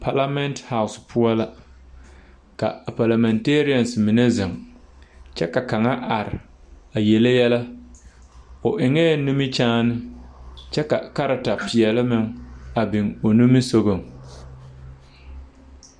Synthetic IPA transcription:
pʰa˦la˦mɛ˦ntha˦˨ʊ˨spʰʊ˦ɔ˦la˦ | ka̰˨pa˨la˨mɛ˨nte˦ɾi˦a˨nsmɪ˨ne˦zɪ˨ŋ | t͡ʃɛ˦ka˨ka˨ŋa˦ʔa˨ɾɪ˨ | a˨je˨le˦jɛ˦la˦ | ʊ˨ʔɪ˨ŋɛː˦˨nu˦mi˦t͡ʃaː˦nɪ˦t͡ʃɛ˦ka̰˨ka˦ɾa˨ta˨pɪ˨ɛ˨lɪ˦mɪ˨ŋa˨bɪ˨ŋo˨nu˦mi˦so˦ɣo˨ŋ

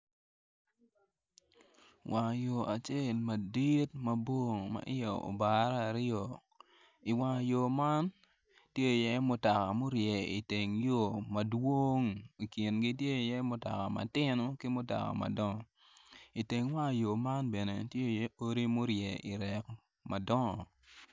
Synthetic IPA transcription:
wʔa˨jo˨a˨t͡ʃe˦lma˨di˦t̚mɐ˦bo˦ŋ˨ma̰˨ʔɪ˦jo˨o̰˨ba˨ɾa˨ɾo˨ | i˨wa˨jo˨ma˦n | tje˦˨jɛ˦mʊ˨ta˨ka˨mo˦ɾjɛ˨ḭ˨te˨ŋjo˨mɐ˨dwo˦ŋi˨ki˨nɡi˦t̬je˦˨jɛ˦mʊ˨ta̰˨ka˨ma̰˨tɪ˦no˦kɪ˦mʊ˦ta̰˨ka̰˨ma̰˨dɔ˦ŋɔ˨ | i˨te˨ŋwa˦˨jo˨ma˦nbɛ˨ne˨tje˦˨jɛ˦o˦ɾi˦mo˦ɾjɛ˨ʔi˨ɾɛ˨k | ma˨dɔ˦ŋɔ˨

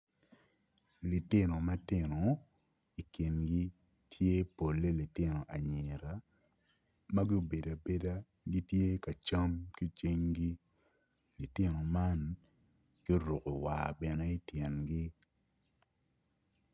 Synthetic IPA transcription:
li˨tɪ˦no˨ma˦tɪ˦no˨ | i˨ki˨nɡi˦ | tʰje˦po˨lːe˦li˨tɪ˦no˨ʔa˨ɲe˨ɾa˨˦ | ma˦ɡi˦o˦be˨da˨be˦da˦ | ɡi˦tje˦ka˨t͡ʃa˦mki˦t͡ʃi˦ŋɡi˦ | li˨tɪ˦no˨ma˦n | ɡ̥i˦ɾu˨ko˨wa̰˨bɛ˨ne˦i˦tjɛ˨nɡi˦

